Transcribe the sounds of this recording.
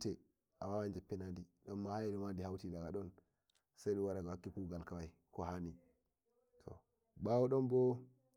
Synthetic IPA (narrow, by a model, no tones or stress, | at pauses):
tɛ | ʔawawand͡ʒapːinadiɗɔmːahajdɔmandihawtidaɡaɗɔn | sajɗuwaɾaɡawakːikuɡalkawaj | kohani | tʰo̰ | bawoɗɔmbɔ